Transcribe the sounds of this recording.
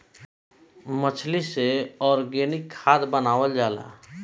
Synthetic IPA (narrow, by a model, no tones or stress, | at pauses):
mət͡ʃʰliseɔːɾɡenɪkʰːaːd̪bənaːwəld͡ʒaːla̰ː